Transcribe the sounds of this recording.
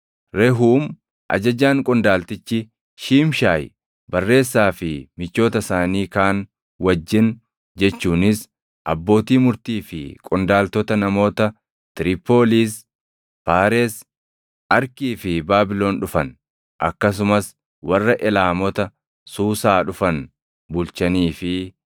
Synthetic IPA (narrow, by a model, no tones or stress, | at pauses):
ɾɛɦuːm | ʔɐ̰d͡ʒɐd͡ʒaːŋkʼʊnd̪aːlt̪ɪt͡ʃːɪ | ʃiːmʃaːj | bɐrːe̞ːsːaːfɪmɪt͡ʃːo̞ːt̪ɐsaːniːkaːn | wɐd͡ʒːɪn | d͡ʒɛt͡ʃːuːnɪs | ʔɐ̰bːo̞ːt̪iːmʊɾt̪iːfɪ̰kʼʊnd̪aːlt̪ɔt̪ɐnɐmo̞ːt̪ɐ | t̪ɪɾɪpoːliːs | paːɾeːs | ɐɾkiːfɪbaːbɪlo̞ːnᶑʊfɐn | ʔɐ̰kːɐs̬ʊmɐs | wɐrːɐʔɛlaːmɔt̪ɐ | suːsaːᶑʊfɐn | bʊlt͡ʃɐniːfɪ